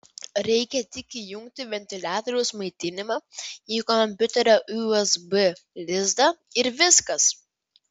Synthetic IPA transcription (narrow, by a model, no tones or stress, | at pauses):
ɾʲɛɪkʲɛt̪ʲɪkʲijʊŋʲk̚t̪ʲɪʋʲɛnʲt̪ʲɪlʲæːt̪ɔɾʲɛʊsmɐɪt̪ʲɪnʲɪmɑːiːkɔmʲpʲʊt̪ʲɛɾʲoʔuɛzbɨlʲɪzd̪ɐ | ɪɾʋʲɪskɐs